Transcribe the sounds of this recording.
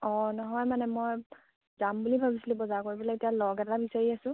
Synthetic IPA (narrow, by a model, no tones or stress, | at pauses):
ɔ̃nɔɦɔjmanɛmoj | zambulibʱabislibɔzakoɹibɔlɛetijalɔɡɛtabisaɹiasʊ̃